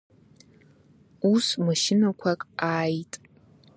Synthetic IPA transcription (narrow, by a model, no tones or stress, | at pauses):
usmaʃɪnakʷʰakʼaːjtʼ